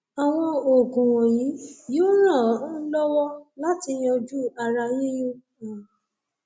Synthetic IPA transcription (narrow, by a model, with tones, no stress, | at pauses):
a˨w̃ɔ̃˧o˨kũ˨wɔ̃˨jĩ˨˦jo˦ɾ̃ã˦˨˦n̩˦lɔ˦wɔ˦la˦ti˧j̃ɔ̃˧d͡ʒu˦a˧ɾa˧jĩ˦jũ˦ | ã˨